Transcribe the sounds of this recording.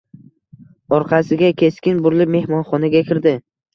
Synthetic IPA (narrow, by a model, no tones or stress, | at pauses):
ɒɾqʰɑsɪɡʲakʲʰe̞skʲɪnbʊɾlɪp̚me̞hmɒnχɒnaɡʲakʲʰɪɾd̪ɪ